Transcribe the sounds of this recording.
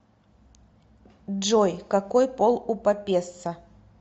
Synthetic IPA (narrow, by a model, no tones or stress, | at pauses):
ʐojkɐkojpolˠʊpɐpʲest̪sə